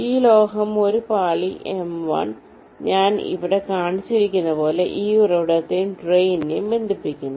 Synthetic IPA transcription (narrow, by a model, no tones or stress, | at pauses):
iːlo̞ːɦɐmo̞ɾupaːɭiʔemʋɐ̰ɳ | ɲaːnḭʋiɽe̞kaːɳit͡ɕːiɾikʲːunːɐpo̞ːle̞ʔiːurɐʋiɽɐt̪ːemʈrejnnebe̞nd̪ipːikʲːunːu